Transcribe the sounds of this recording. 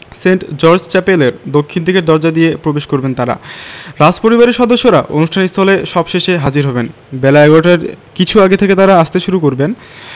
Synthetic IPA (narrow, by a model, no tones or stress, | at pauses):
seɳʈd͡ʑɔɾd͡ʑt͡ɕɛpeleɾd̪okʰːint̪ʰikeɾd̪ɔɾd͡ʑad̪iepɾobeʃkoɾbent̪aɾa̰ɾad͡ʑpoɾibaɾeɾʃɔd̪oʃːoɾaʔonuʃʈʰanikst̪ʰaleʃɔbʃeʃeɦad͡ʑiɾɦɔben | bɛlaɛɡoʈaɾkit͡ɕʰuaɡet̪ʰeket̪aɾaaʃt̪eʃuɾukoɾben